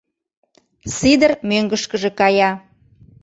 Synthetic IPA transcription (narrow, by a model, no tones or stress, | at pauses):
sid̪ərmøŋɡəʃkəʒĕkɑjɑ